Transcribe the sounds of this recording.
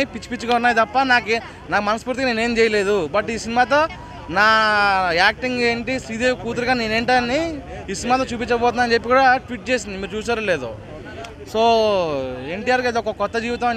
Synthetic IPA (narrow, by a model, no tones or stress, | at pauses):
ipit͡ʃːu̥pit͡ʃːukɐunːaːjt̪ɐpːɐnaːke | naːkmɐnɐspuːɾt̪ikaneːneːmd͡ʒɛːjɐle̞ːd̪ubɐʈiːsinimaːt̪̬o̞ː | naːaːk̚ʈiŋɡeːɳʈisiːd̪eːkuːt̪̬uɾɐɡaːneːne̞ːɳʈɐnːiː | sinimaːt̪̬oːt͡ʃuːp̬iɲt͡ʃːɐbɔːt̪unɐnd͡ʒe̞pːikuːɽaʈʋiʈ̚t͡ʃeːsind̪imiːɾt͡ʃuːs̬aːɾule̞ːd̪ṵ | so̞ː | e̞ɳʈiːjaːɾked̪ɔkɐkɔt̪ːɐd͡ʒiːʋit̪ɐmɐ